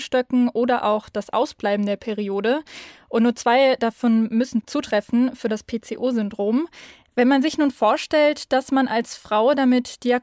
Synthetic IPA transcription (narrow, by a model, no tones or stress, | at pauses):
ʃtœkŋ̩ʔoːdɐʔa̰ʊxd̥asʔa̰ʊsb̥laɪbm̩deːɐpʰɛʁ̞ioːdəʔʊntnuːɐt͡sv̥aɪd̥afɔnmʏsn̩t͡suːtʁ̥ɛfn̩fyːɐdaspʰeːt͡seːʔoːzʏndʁoːm | vɛnmanzɪçnuːnfoːɐʃtɛltd̥asmanʔalsfʁ̥aʊdamɪtd̥iak